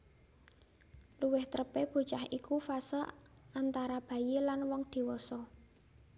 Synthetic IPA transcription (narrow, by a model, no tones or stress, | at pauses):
luwɪht̪əɾəpeb̥o̤t͡ʃahikufasə | ant̪aɾab̥a̤jelanwɔŋd̪̥i̤wɔsɔ